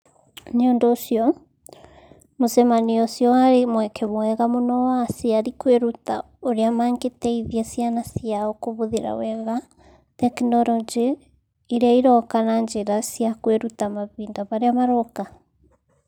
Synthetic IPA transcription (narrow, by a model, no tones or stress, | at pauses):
neɔndɔːsiɔ | mosɛmaniɔsjɔaɾemwɛkʰɛmwɛɣamonɔwasiaɾikweɾuta | oɾeamaːŋɡetɛiðjɛsianasjaɔkoβoðeɾa̰wɛɣa | tɛknɔɾɔd͡ʒiː | ɾaiɾɔkanaɲd͡ʒeɾasiakweɾutamaβiːndaβaɾeamaɾɔka